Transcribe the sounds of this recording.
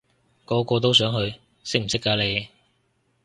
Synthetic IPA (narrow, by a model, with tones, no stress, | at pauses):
kɔː˨˥kɔː˧t̪̬o˥ws̬œː˨˥ŋɦɵ˧ɥ | sɪ˥k̚m̩˨˩sɪ˥kːaː˨˥le˨˧j